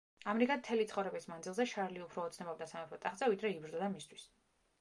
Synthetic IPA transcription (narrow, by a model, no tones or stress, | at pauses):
amɛɾikʼat̪ʰɛlit̪sχɔvɾɛbismand̪zilˠzɛʃaɾliupʰɾɔːt̪sʰnɛbabd̪asamɛpʰɔt̪ʼaχd̪zavid̪ɾɛibɾd̪ɔd̪amist̪ʰwi̥s